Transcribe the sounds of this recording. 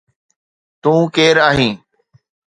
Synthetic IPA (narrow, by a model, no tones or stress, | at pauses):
t̪ũːkeːɾaːɦĩː